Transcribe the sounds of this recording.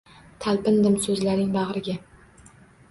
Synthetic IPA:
t̪ʰalpɪnd̪ɪmsɵzlaɾɪŋbɑʁɾɪɡʲa

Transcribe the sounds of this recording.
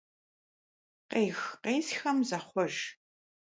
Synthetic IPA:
qeːxqeːzxɐmzɐχʷɔʒ

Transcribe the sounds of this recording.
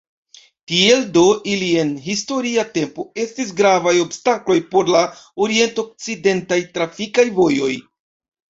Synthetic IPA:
tie̞ldo̞ʔilie̞nɦisto̞ɾiate̞mpo̞e̞stis̬ɡɾavajo̞bstaklo̞jpo̞ɾlaoɾie̞ntoːk̚t͡side̞ntajtɾafikajvo̞jo̞̰j

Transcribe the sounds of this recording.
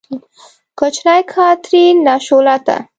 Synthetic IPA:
kot͡ʃnajkʰɑt̪ɾinɑʃolat̪a̰

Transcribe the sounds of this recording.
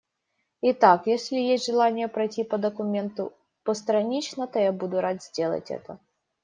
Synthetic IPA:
ɪt̪akjesʲlʲɪjesʲtʲʐɨlˠanʲɪjəpɾɐjtʲipəd̪əkʊmʲe̞nt̪ʊ̰ | pəst̪ɾɐnʲit͡ɕnət̪ojabud̪ʊɾad̪ʲz̥ʲdʲe̞lˠə̰tʲɛ̰t̪ə

